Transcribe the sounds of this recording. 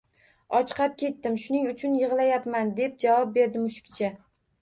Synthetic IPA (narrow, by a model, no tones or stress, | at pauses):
ɒt͡ʃqʰɑp̚kʲʰe̞t̪ːɪmʃʊnɪŋʊt͡ʃʰʊnjɨʁlˠajapmand̪e̞p̚d͡ʒavɒp̚be̞ɾd̪ɪmʊʃɪ̥kʲt͡ʃʰa